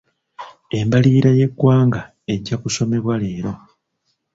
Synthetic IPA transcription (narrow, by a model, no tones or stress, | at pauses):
e̞mbaliːɾaje̞kːwaːŋɡa | e̞ɟːakuso̞me̞βwale̞ːɾo̞